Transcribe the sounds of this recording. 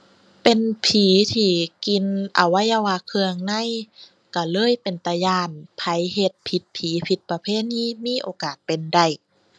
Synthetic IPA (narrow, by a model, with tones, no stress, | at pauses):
pe˨npʰiː˨˦t̪ʰiː˧˩ki˨nʔa̰˨˩wːa˧˥˨jʔa˧˩waː˧kʰɯ˧əŋna˧˥˨j | ka˧˩lɤː˧˥˨jpe˨˩nt̪a˧jaː˧˩npʰa˧˦jhe˧t̪̚pʰi˧˦t̪̚pʰiː˨˦pʰi˧˦t̪̚pa˧pʰeː˧˥˨niː˧˥˨miː˧˥˨ʔoː˨˧kaː˨˩t̪̚pe˨nda˧˩j